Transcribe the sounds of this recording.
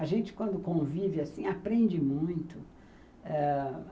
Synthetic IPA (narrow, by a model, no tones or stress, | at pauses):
aʒẽnt͡ʃɪ̥kwɐ̃nd̪ʊkõvivɪasĩapɾẽnd͡ʒɪmũj̃t̪ʊ | ɛ